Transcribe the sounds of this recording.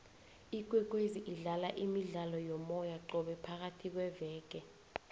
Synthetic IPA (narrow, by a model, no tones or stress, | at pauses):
ik̬ʼwɛk̬ʼweziʔiɮalaʔimiɮalɔjɔmɔjaǃɔɓɛpʰak̬atʰik̬wɛvɛːk̬ɛ